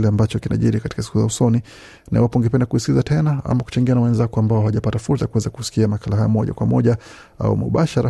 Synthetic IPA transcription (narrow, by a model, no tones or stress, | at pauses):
lɛambat͡ʃɔkina̰ʄiɾikati̥kasi̥kuzausɔni | naiwapɔŋɡɛpɛndakuhiskizatʰɛnaa̰maku̥t͡ʃaŋɡianawɛnzakɔambaɔhaʄapatafuɾsakuwɛzakusi̥kiamakalaɦajɔmɔʄa̰kwamɔʄa | a̰ṵmṵɓaʃaɾa